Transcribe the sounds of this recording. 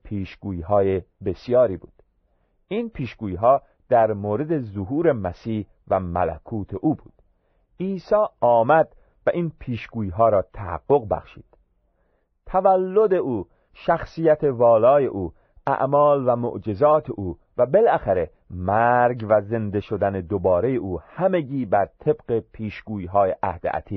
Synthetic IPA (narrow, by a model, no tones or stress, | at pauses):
pʰiːʃɡ̥uːjiːɦɒːjebesjɒːɾiːbṵːd̪̥ | inpʰiːʃɡ̥uːjiːɦɒː | d̪̥æɾmoːɾe̞d̪e̞zoɦuːɾe̞mæsiːh | væmæ̰læ̰kʰuːt̪ʰe̞ʔuːbuːd̪̥ | iːsɒːɒːmæd̪ | væʔiːnpʰiːʃɡuːjiːɦɒːɾɒːt̪ʰæhæ̰ɡːo̞ɣbæ̰χʃḭːd̪̥ | t̪ʰævælːo̞d̪e̞ʔuː | ʃæxsiːjæt̪ʰe̞vɒːlɒːje̞ʔuː | ʔæ̰ʔmɒːlvæmo̰ʔd͡ʒe̞zɒːt̪ʰe̞ʔuː | væbe̞lʔæxæɾe̞ | mæɾɡvæze̞nd̪e̞ʃo̞d̪æne̞d̪obɒːɾe̞je̞ʔuːhæmeɡiːbæɾt̪ʰe̞bɢe̞pʰiːʃɡ̥uːiːɦɒːje̞ʔæhd̪ḛʔæ̰t̪ʰiː